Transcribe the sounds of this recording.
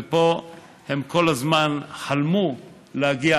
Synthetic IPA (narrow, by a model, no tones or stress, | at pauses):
epo̞ | he̞mko̞lazmanħalmu | lehaɡia